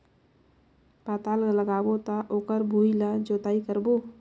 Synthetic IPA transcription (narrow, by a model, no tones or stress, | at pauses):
paːt̪aːlləɡaːbot̪aʔoːkəɾbʱuilad͡ʒoːt̪aːikəɾbo